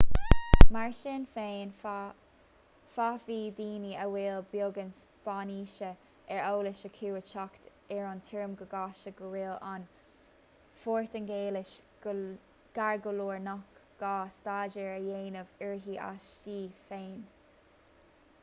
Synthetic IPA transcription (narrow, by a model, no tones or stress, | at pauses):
maɹʃɪnfeːn | fafiːd̪iːniəwɪlbjoːɡəns | b̥aːniːʃə | ʔɛɹoːlɪʃəkʰuːət͡ʃɔkt̪ | ɛɹant̪ʰɪɹəmɡəɡɑːʃəɡəwɪlan | foːɹt̪ənɡeːlɪʃ | ɡ̥aɹɡəluːɹnɔkɡ̥ɑːst̪aːd͡ʒəɹəjeːnəvəɹɦiːʔa̰ʃiːfeːn